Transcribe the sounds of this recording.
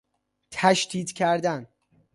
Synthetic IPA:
t̪ʰæʃt̪iːd̪cʰæɾd̪æn

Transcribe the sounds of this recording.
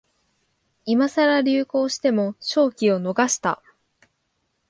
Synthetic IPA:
imasaɾaɾʲɨːko̞ːɕi̥t̪e̞mo̞ɕo̞ːkʲio̞no̞ɡaɕi̥t̪a̰

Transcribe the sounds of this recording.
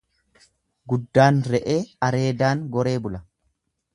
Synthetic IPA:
ɡʊd̪ːaːnɾɛʔe̞ːɐɾe̞ːd̪aːŋɡɔɾe̞ːbʊlɐ

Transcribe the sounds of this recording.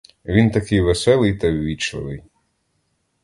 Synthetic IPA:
ʋʲint̪ɐkɪjʋesɛlˠɪjt̪ɐwʲʋʲit͡ʃɐ̰lˠɪ̰j

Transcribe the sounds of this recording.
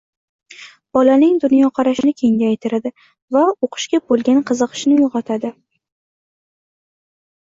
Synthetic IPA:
b̥ɒlanɪŋd̪ʊnjɒqʰɑɾaʃɪnɪkʲʰe̞ŋʲaːjt̪ʰɪɾad̪ɪ | vaoqʰɨ̥ʃkʲabolˠɡʲanqʰɨzɨqʰɨ̥ʃnɪjoʁɑt̪ʰad̪ɪ

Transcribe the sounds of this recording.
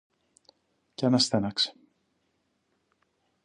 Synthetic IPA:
cenɐst̪enɐkse̥

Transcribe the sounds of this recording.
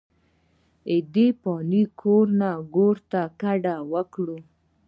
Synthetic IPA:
ɪd̪epɑnikʰoɾnaɡoɾt̪akaɖawəkɽu

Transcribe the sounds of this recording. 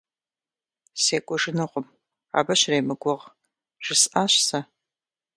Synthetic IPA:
seːkʷʼɔʒɪnɨqʷʊm | a̰ːbɐɕrejmɨɡʷɔʁ | ʒ̥ɪsʔaːɕsɐ

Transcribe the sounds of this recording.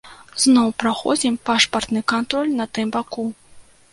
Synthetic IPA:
znɔwpɾaxɔ̰d͡zʲimpaʂpɐrt̪nɨkant̪ɾɔlʲnɐt̪ɨmbaku

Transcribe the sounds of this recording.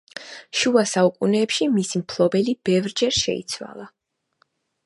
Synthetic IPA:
ʃuasaukʼunɛːpʃimisimpʰlˠɔbɛlib̥ɛvɾd͡ʒɛɾʃɛ̰ḭt̪sʰwa̰lˠa

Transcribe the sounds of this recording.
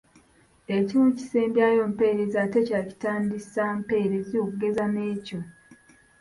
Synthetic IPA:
ecimuci̥seːmbjaːjo̞ːmpe̞ɾezate̞caːci̥taːndisaːmpe̞ːɾezokuɡe̞zane̞ːco̞

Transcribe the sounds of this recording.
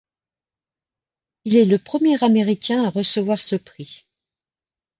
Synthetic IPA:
ilɛləpχəmjɛʁameʁikʲɛ̃aʁəsəvwaʁsəpχi

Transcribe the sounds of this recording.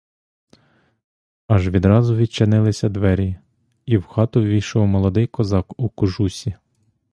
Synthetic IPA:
ɑʒʋʲid̪ɾɑzʊʋʲid̪̚t͡ʃenɪlˠɪsʲɐd̪ʋɛɾʲi | iwxɑt̪ʊʋʲijʃɔwmɔlˠɔd̪ɪjkɔzɑkukʊʒusʲi

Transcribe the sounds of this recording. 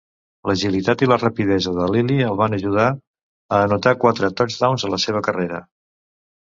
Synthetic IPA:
ləʒilit̪at̪ilərəpiðɛzəðəliliəlˠβanəʒuð̞a | əːnut̪akwat̪ɾət̪ɔd͡ʒd̪awnzələseβ̞əkəreɾə

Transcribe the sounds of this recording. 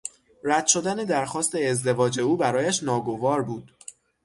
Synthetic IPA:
ræd̪ʃo̞d̪æned̪æɾxɒːst̪e̞ezd̪e̞vɒːd͡ʒe̞uːbæɾɒːjæʃnɒːɡo̞vɒːɾbuːd̪̥

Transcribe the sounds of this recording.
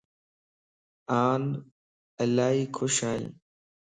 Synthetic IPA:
aːn | əlaːɦiːkʰoʃaːḭ̃ː

